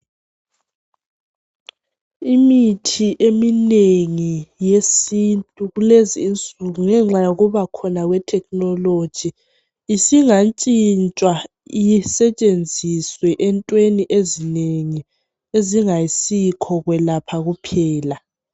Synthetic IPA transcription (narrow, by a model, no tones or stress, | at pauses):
imitʰiʔemineŋijesintʼuɣuleziːnt͡sʼuɣuŋɛŋ͡ǁajoɣuβakʰɔnaɣwɛtʰɛknɔlod̥ʒ̥ʱiː | siŋant͡ʃʼint͡ʃʼwa | jisɛt͡ʃʼend͡zʱiswɛʔɛntʼweniʔezineŋi | eziŋajisikʰɔɣwɛlapʰaɣupʰɛːla